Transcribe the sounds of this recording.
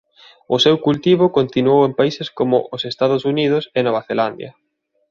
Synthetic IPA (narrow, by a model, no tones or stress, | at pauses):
ʊsewkult̪iβʊkont̪inuowempaiseskomʊ̰ʔʊsest̪aðʊsunið̞ʊsenoβaθeland̪jɐ̰